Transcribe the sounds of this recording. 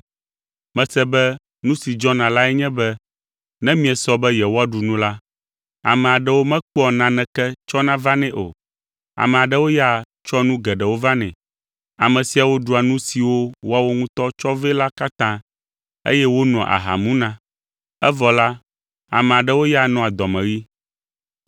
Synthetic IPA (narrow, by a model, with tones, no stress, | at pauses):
mɛ̃˨sɛ˦bɛ˦ | nũ˦si˨d͡ʒɔ˦nã˨la˦ɛ˦ɲɛ̃˦bɛ˦ | nɛ̃˦mĩ˦ɛ˨sɔ˦bɛ˦jɛ˨wo˦a˦ɖu˨nũ˦la˦ | a̰˨mɛ̃˨a˨ɖɛ˦wo˦mɛ̃˦k͡pɔ˨nã˨nɛ̃˨kɛ˦t͡ʃɔ˦nã˦va˦nɛ̃˨ʔo̰˨ | a̰˨mɛ̃˨a˨ɖɛ˦wo˦ja˦˨ | t͡ʃɔ˦nũ˦ɡɛ˨ɖɛ˨wo˦va˦nɛ̰̃˨ | a˨mɛ̃˨si˨a˨wo˦ɖu˦a˨nũ˦si˨wo˦wo˦a˦wo˦ŋũ˦t̪ɔ˦t͡ʃɔ˦vɛ˦la˦ka˦t̪ã˦ | ḛ˦jɛ˦wo˦nɔ̃˨ʔa̰˨ɦa̰˨mũ˦nã˦ | ɛ˦vɔ˨la˦ | a̰˨mɛ̃˨a˨ɖɛ˦wo˦ja˦nɔ̃˨a˨d̪ɔ˨mɛ̃˨ɣi˦